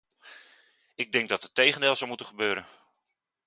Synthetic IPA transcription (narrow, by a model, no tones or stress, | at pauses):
ɪɡ̚dɛŋɡ̚dɑtətːejχəndeːlˠzɔwmutənχəbøːɾən